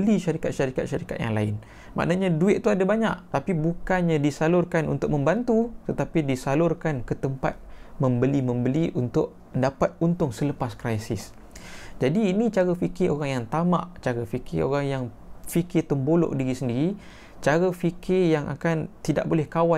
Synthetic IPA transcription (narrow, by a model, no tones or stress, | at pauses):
əliʃaɾikat̪̚ʃaɾikat̪̚ʃaɾikat̪̚ja̰ŋlaɪn | mʔa̰ʔnaɲãduɪʔ̪̚t̪uadabaɲa̰ʔt̪apibukanɲãdisalʊrkanʔṵnt̪ʊk̚mə̃mbant̪ut̪ət̪apidisalʊrkankət̪əmpa̰t̪̚mə̃mbəlimə̃mbəliʔunt̪ʊʔ̚ | ndapat̪̚unt̪ʊŋsələpaskɾajsɪs | d͡ʒadiːnĩt͡ʃaɾəfikɪoɾaŋjaŋt̪amã̰ʔt͡ʃaɾəfikʰɪo̰ɾaŋjaŋ | fikɪrt̪əmbolo̰ʔdiɾisəndiɾi | t͡ʃaɾəfikʰɪrjaŋʔa̰kant̪ida̰ʔ̚bolɛhkawa